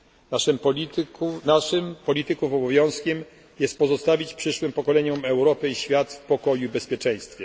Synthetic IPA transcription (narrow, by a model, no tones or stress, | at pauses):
naʂɛmpɔkunampɔlʲit̪ɘkufɔbɔvʲjɔ̃w̃skʲɛm | jɛst̪̚pɔzɔst̪avʲit͡ɕpʂɘʂwɘmpɔkɔlɛɲɔmɛwɾɔpɘiɕfʲjat̪fpɔkɔjuibɛspʲjɛt͡ʂɛ̃j̃st̪fʲjɛ